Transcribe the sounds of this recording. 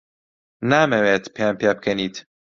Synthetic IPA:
naːmɛwɛt̪pjampjap̚kʰɛniːt̪ʰ

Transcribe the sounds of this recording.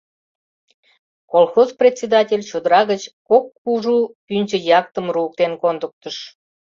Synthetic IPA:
kolˠxozprʲet͡sʲːed̪ɑtʲelʲt͡ɕud̪əɾɑɣət͡ɕkokːuʒupynʲt͡ɕəjɑk̚t̪əmruːk̚t̪enkond̪ək̚t̪əʃ

